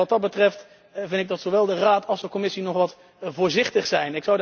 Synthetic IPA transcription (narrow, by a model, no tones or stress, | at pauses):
ɑt̚ɑt̚bətrɛft | vɪndɪɡdɑtsoʋɛlˠdəraːtʰɑlˠzəkɔmɪsinɔχʋɑt | vʊːɹzɪχtəχsɛjnɪksɔwd